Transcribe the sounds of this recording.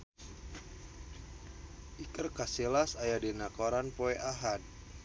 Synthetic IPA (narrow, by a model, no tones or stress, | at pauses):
ʔikərkaselasajadenakoɾanpoeʔaɦad̚